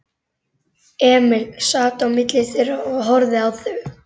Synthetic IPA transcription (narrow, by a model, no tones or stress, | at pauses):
ɛːmɪlsaːt̪awmɪt̪lɪsɛɾaɔɣɦɔɾðɪawθœɣ